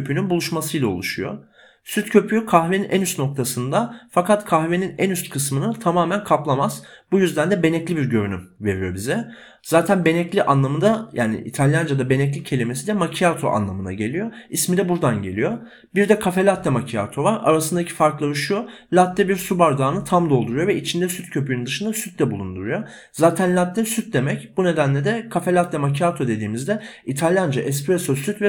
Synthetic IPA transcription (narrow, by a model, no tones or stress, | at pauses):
øpʰynynbulˠuʃmasɯjlˠao̰lˠuʃujo̰ | syt̪cʰø̞pʰyjokʰaxveninʔænyst̪no̞k̚t̪ʰasɯnd̪afakʰat̪kʰaxve̞ninænyst̪kʰɯsmɯnɯt̪ʰamaːmænkʰaplˠamaz̥bujyzd̪ænd̪ɛbe̞nɛclʲibiɾɟø̞ɾynymve̞ɾijo̞bizɛ | z̥aːt̪ʰænbe̞nɛclʲiʔanlˠamɯnd̪ajʔaːnḭʔḭt̪ʰalʲjand͡ʒad̪abe̞nɛc̬lʲicʰe̞lʲimesid̪ɛmacʰiat̪ʰo̞̰ʔa̰nlˠamɯna̰ɟe̞lʲijo̞ismid̪ɛbuɾd̪anɟe̞lʲijo̞ | biɾd̪ɛkʰafe̞lʲat̪ːɛmacʰija̰t̪ʰo̞vaɾa̰ɾasɯnd̪acʰi̥faɾklˠaɾɯʃju | lʲat̪ːɛbiɾsubaɾd̪aːnɯt̪ʰamd̪o̞lˠd̪uɾujo̞vɛit͡ʃʰind̪ɛsyt̪cʰø̞pʰyjnynd̪ɯʃɯnd̪asyt̪̚lʲɛbulˠund̪uɾujo̞ | zaːt̪ʰænlʲat̪ːɛsyt̪̚d̪e̞mɛcbune̞d̪ænlʲed̪ɛkʰafelʲat̪lʲɛmacʰat̪ʰo̞d̪e̞d̪iːmizd̪ɛit̪ʰalʲjand͡ʒaʔɛspɾesasyt̪vɛ